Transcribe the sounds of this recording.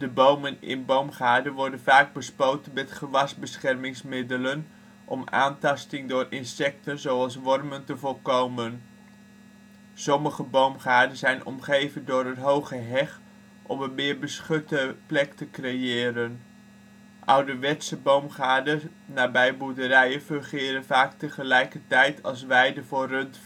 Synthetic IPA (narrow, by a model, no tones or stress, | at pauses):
d̥əbowmənɪ̰nbowmχaːɹdənʋɔɹdənvaːɡ̚bəspowtənmɛtχəʋɑsbəsχɛrmɪŋsmɪdələn | ʔɔma̰ːntɑstɪŋdʊːrɪnsɛk̚tənzowɑlˠsʋɔrməntəvɔlˠkowmən | sɔməχəbowmχaːdənzɛjnɔ̰mχejvəndʊːrɦətɦowχəɦɛχ | ʔɔmənmɪːɹbəsχɵtəplɛktəkrejɪːɾən | ʔʌwdəʋɛtsəbowmχaːdə | naːbɛjbudəɾɛjənfɵnχɪːɾənvaːktəχəlɛjkəɹtɛjtʰɑlˠs̬ʋɛjdəvʊːrɵnt